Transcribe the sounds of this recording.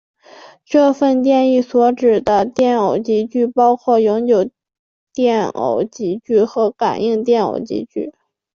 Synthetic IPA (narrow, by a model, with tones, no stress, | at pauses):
ʈ͡ʂɤ˥˧fə˥˧nt̪jɛ˥˧ni˥˩swɔ˧˥ʈ͡ʂɻ̩˨˩d̪ə˦t̪jɛ˥˩no˨˩ʊt͡ɕi˧˥t͡ɕy˥˩pɑ˥ʊkʰwɔ˥˩jʊ˧˥ŋt͡ɕjo˨˩ʊ | t̪jɛ˥˩no̰˧˩ʊt͡ɕi˧˥t͡ɕy˥˩xɤ˧˥ka˨˩ni˥˧ŋt̪jɛ˥˩no̰˨˩ʊt͡ɕḭ˧˥t͡ɕy˥˩